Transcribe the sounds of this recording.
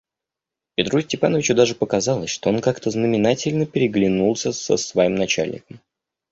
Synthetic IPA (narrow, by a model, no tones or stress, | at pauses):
pʲɪt̪ɾusʲtʲɪpanəvʲɪt͡ɕʊd̪aʐɨpəkɐzɑlˠəsʲʂt̪o̞onkakt̪əznəmʲɪnatʲɪlʲnəpʲɪɾʲɪɡlʲɪnulˠsʲəsə̰svɐimnɐt͡ɕa̰lʲnʲɪ̰kəm